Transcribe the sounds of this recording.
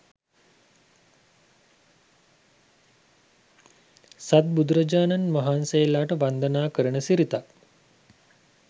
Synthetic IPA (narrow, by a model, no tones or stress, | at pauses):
sat̪̚bud̪ɾəd͡ʒaːnanmɐɦaːnsejelaːʈəʋand̪ənaːkəɾəɳəsiɾit̪ak